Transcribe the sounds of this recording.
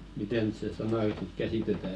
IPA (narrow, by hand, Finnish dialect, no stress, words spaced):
miteˑ nyt se sɑnɑˑ ny sit kæsiˑtetæ